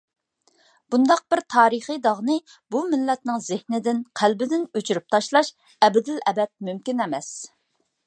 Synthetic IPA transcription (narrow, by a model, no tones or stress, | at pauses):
b̥und̪ɑq̚bɪɾt̪ʰɑːɾɨχɨjd̪ɑʁnɨ | bumɪlːɛt̪̚nɪŋzɪhnɪd̪ɪnqʰælbɪd̪ɪnøt͡ʃʰyɾyp̚t̪ʰɑʃlˠɑʃ | ɛbɪd̪ɪlɛbɛt̪̚mymkʲinɛmɛs